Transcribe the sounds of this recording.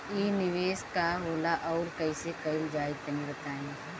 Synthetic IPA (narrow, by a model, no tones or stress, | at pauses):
iːnɪʋeːskaɦoːlaʔɔːɾkɐisekɐɪld͡ʒaːɪt̪ɐnĩbɐt̪aːẽ